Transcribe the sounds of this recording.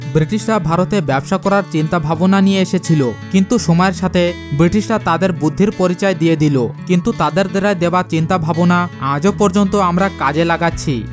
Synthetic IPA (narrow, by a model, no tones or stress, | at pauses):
bɾiʈiʃɾabʱaɾot̪ebɛbʃakɔɾaɾt͡ɕint̪abʱabonanijeeʃet͡ɕʰilokint̪uʃɔmɔeɾʃat̪ʰe | bɾiʈiʃɾat̪ad̪eɾbud̪ʱːiɾpoɾit͡ɕaed̪ijed̪ilokint̪ut̪ad̪eɾd̪eɾaed̪ebat͡ɕint̪abʱabonaãd͡ʑopɔɾd͡ʑont̪oamɾakad͡ʑelaɡatːɕʰi